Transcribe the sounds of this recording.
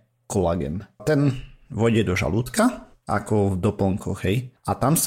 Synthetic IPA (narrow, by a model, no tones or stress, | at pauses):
kɔlaɡɛ̰nt̪ɛnʋɔɟɛd̪ɔʒa̰luːt̪ka | ʔa̰kɔvd̪ɔpɔŋkɔɣɦɛjat̪ams